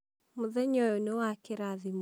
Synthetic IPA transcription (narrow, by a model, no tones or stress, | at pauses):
mʊðɛɲɔjɔnɔwakeɾaðim